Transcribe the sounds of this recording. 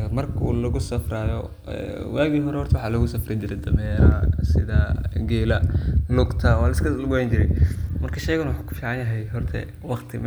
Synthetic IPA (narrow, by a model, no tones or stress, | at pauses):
ɐmɐrkʰṵːlɐɣʊsɐfɾaːjɔ | ɛ̰ːwaːɣiːɦɔɾɛhɔrt̪ʰɐwɑħɑːlɐɣʊsɐfrɪt͡ʃɪɾɛd̪ɐmɛɾasɪðɐɡɛːlɐlʊɡt̪ʰɐɔlɐskʰɐlɡʊwajnt͡ʃɪɾɛ̰jmɐrkʰɐʃɛjɣɐnwʊħuːkʰʊ̥fiːʕɑnjɐɦɛjɦɔrt̪ʰɛ̰ | wɑqt̪ʰɪm